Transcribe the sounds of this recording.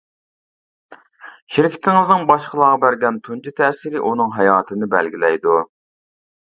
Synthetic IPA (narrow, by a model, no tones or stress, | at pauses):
ʃɪɾkʲʰɪ̥t̪ʰɪŋɪznɨŋbɑʃqəlˠɑːʁɑbæɾɡʲɛnt̪ʰund͡ʒit̪ʰɛsiɾɪʔunɨŋɦɑjɑːt̪ʰɨnɨbælɡʲilɛjd̪u